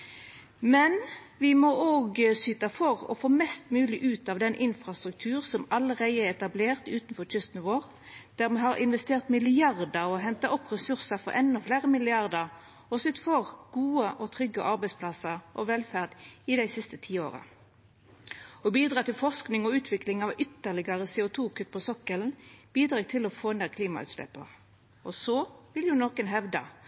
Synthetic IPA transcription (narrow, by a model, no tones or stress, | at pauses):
mɛnʋɪmɔʔoːɡsyːt̪ɑfɔʁɔ̰foːmɛst̪mʉːlɪʔʉːt̪ɑʋd̪ɛnʔɪnfʁɑst̪ʁʉk̚t̪ʰʉːʁsɔmɑləʁæɪəɛɛt̪ɑbleːʁt̪ʉːt̪nfɔʁt͡ʃʏst̪n̩ʋoːʁ | d̪̥æʁmɛɦɑɾɪnʋɛst̪eːʁt̪mɪlɪɑʁd̪əɾɔɦɛnt̪ɑʔɔpːʁɛsʉʁsəfɔ̰ɾʔɛnːɔfleːʁəmɪlɪɑʁd̪əʁ | ɔsʏt̪fɔʁɡ̥uːəʔɔt̪ʰʁʏɡːəʔɑɾbæɪspʰlɑsəʁʔɔʋɛlfæʁd̪ɪd̪æɪsɪst̪ət̪ʰiːo̰ːʁə̰ | ɔbiːd̪ʁɑːt̪ɪlfɔʁsknɪŋɔʉːt̪ʰʋɪklɪŋɑʋʏt̪ːəʁlɪɡɑʁəseːʊt̪ʰuːkʰʉt̪̚ːpʰɔsɔkːəln̩b̥iːd̪ʁɑːɡt̪ʰɪlɔfoːneːʁkʰliːmɑ̰ʉ̰t̪slɛ̰pːə̰ʁ | ɔsoːʋɪljʊnɔkənɦɛʋd̪ə̰